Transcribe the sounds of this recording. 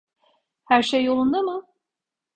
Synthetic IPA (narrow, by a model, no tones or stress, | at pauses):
hæɾʃejolˠund̪umɯ